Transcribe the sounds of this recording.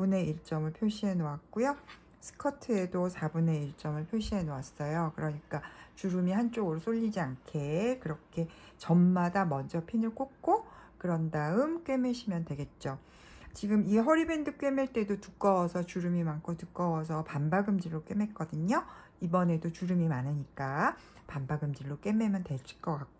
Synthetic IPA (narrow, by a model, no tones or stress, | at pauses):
une̞iɭt͡ɕ͈ʌmɯɭpʰjoɕ͈ʰiɦenowak̚k͈ujo | sʰɯ̥kʰʌtʰɯe̞dosʰabune̞iɭt͡ɕ͈ʌmɯɭpʰjoɕ͈ʰiɦe̞noas͈ʌjokɯɾʌɲik͈at͡ɕuɾɯmihant͡ɕ͈oɡɯɾosʰoʎːid͡ʑiankʰe̞kɯɾʌkʰe̞ | t͡ɕʌmmadamʌnd͡ʑʌpʰinɯɭk͈ok̚k͈okɯɾʌndaɯmk͈we̞me̞ɕʰimjʌntwe̞ɡe̞t̚t͡ɕ͈o | t͡ɕiɡɯmieɦʌɾibe̞ndɯk͈ɥe̞meɭt͈e̞dotuk͈ʌwʌsʰʌt͡ɕuɾɯmimankʰotuk͈ʌwʌsʰʌpambaɡɯmd͡ʑiɭːok͈we̞me̞k͈ʌdɯɲo | ibʌne̞dot͡ɕuɾɯmimanɯɲik͈a | pambaɡɯmd͡ʑiɾːok͈e̞me̞mjʌntwe̞ɭs͈i̥k͈ʌk͈ak̚k͈o